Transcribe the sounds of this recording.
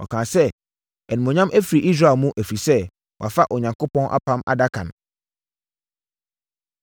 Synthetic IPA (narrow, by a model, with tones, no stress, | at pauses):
ɔ̰˨kʰã˨sɛ˦ | ɛ˨nĩ˨mɔ̃˨ɲã˦mʔæ˦fɾi˨ʔi˦s̬ɾa˦˨mũ˦ʔæ˨fɾi˨sɛ˦ | wa̰˨fa˦ʔɔ˨ɲã˨ŋko˦pɔ̃˦nʔa̰˦pʰã˦ma̰˨da˦kʰã̰˨n